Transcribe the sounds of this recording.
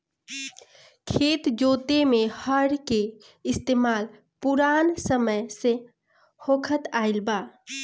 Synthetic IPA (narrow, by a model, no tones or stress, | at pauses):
kʰet̪d͡ʒot̪emẽhəɽke | ɪst̪eːmaːl | puɾansəməjse | hokʰət̪aɪlba